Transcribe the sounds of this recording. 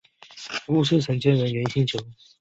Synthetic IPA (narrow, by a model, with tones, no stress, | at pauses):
ku˥˩ʂ̩˥˩ʈ͡ʂʰɤ˧˥ŋt͡ɕɛ˥nwə˧˥nɥɛ˧˥nɕi˥ŋt͡ɕʰjo˧˥˦ʊ